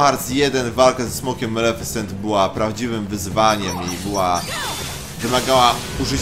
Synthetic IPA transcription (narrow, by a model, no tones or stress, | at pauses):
aɾt̪sjɛd̪ɛnvalkazɛsmɔkʲɛmːɛlɛfɛsɛnt̪bɘwapɾavd͡ʑivɘmvɘzvaɲɛmibɘwa | vɘmaɡawa | uʐɘ